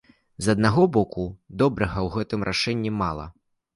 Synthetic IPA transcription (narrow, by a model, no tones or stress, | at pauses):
zɐd̪̚naɣɔbɔkud̪ɔbɾɐɣɐwɣɛt̪ɨmɾʔa̰ʂɛnʲːimalˠɐ̰